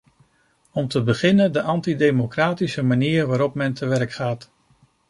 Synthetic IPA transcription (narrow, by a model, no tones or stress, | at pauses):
ɔmtəbəχɪnəndəʔɑntidejmokraːtisəmaniːrʋaːɾɔpmɛntʰəʋɛɹkχaːt